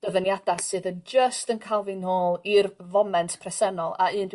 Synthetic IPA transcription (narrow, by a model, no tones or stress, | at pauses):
d̥əvənjadasɨːðənd͡ʒəstənkʰalˠvinoːlˠirvɔmɛntʰpʰrɛsɛnɔlˠa̰ɨːnd